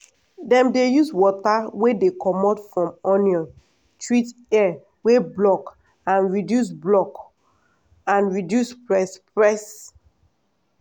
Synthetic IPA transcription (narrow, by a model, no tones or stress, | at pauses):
dɛ̃mdejuswɔtawedekɔmɔtfɹɔ̃mɔnjɔ̃n | tɹitɛ | weblɔk | ãnɹidjus̬blɔk | ãnɹidjuspɹɛspɹɛs